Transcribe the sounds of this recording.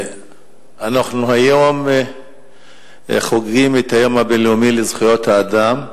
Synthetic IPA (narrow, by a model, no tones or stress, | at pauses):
anaχnuhajo̞m | χoɡʁimet̪hajo̞mhabenleumilezχujo̞t̪haːd̪am